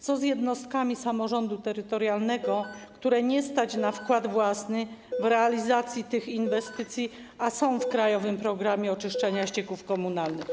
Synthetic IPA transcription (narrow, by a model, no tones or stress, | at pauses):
t̪sɔzjɛd̪nɔst̪̚kamʲisamɔʐɔnd̪ut̪ɛɾɘt̪ɔɾjalnɛɡɔkt̪uɾɛɲɛst̪at͡ɕnafkwad̪vwasnɘvɾɛalʲizat̪sʲjit̪ɘxinvɛst̪ɘt̪sʲji | asɔ̃w̃fkɾajɔvɘmpɾɔɡɾamʲjɛɔt͡ʂɘʂt͡ʂɛɲaɕt͡ɕɛkufkɔmunalnɘx